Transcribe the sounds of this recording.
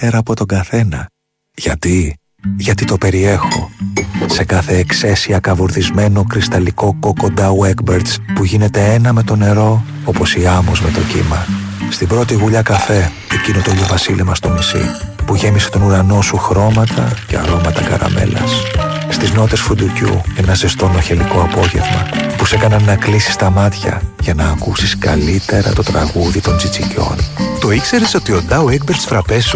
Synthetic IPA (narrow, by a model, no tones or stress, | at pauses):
peɾɐːpo̞t̪o̞ɡɐθe̞nɐ̰ | ʝ̥ɐt̪i | ʝɐt̪it̪o̞pe̞ɾie̞xo̞̰se̞kɐθe̞ːkse̞siɐkɐvuɾθizme̞no̞kɾist̪ɐliko̞ko̞ko̞nd̪ɐuekbeɾt̪spuʝine̞t̪e̞enɐme̞t̪o̞ne̞ɾo̞ | opo̞siɐmozme̞t̪o̞cḭmɐ | st̪ibɾo̞t̪iɣuʎɐkɐfe̞ | ecinot̪oʎovɐsilemɐst̪o̞misḭpuʝe̞mise̞t̪o̞nuɾɐno̞suxɾo̞mɐt̪ʰɐce̞̰ɐ̰ɾo̞mɐt̪ɐkɐ̰ɾɐ̰me̞̰lɐ̰sst̪izno̞t̪e̞sfund̪ucṵenɐze̞st̪o̞no̞çe̞liko̞ɐpo̞ʝe̞̰vmɐpuse̞kɐnɐnːɐklisi̥st̪ɐmɐt̪çɐ̰ʝɐnɐːkusiskɐ̰lit̪e̞ɾɐ̰t̪o̞t̪ɾɐɣuðit̪o̞nt͡sit͡sico̞̰nt̪o̞ikse̞ɾeso̞t̪io̞nd̪ɐoekbeɾt̪sfɾɐpesu